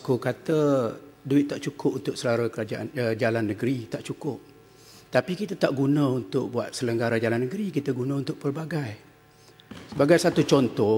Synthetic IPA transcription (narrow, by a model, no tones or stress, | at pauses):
kukat̪əduɪt̪ːaʔt͡ʃukʊp̚unt̪ʊk̚səlaɾakəɾad͡ʒaand͡ʒalanːə̃ɡɾit̪aʔt͡ʃukʊp̚ | t̪apikit̪at̪aʔɡunə̃unt̪ʊk̚buat̪̚sələŋɡaɾad͡ʒalanːəɡɾikit̪əɡunãunt̪ʊk̚pərbaɡaj | səbaɡajsat̪ut͡ʃɔnt̪ɔ